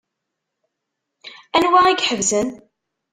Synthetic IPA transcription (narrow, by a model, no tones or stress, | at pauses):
ænwæiɡħəvzən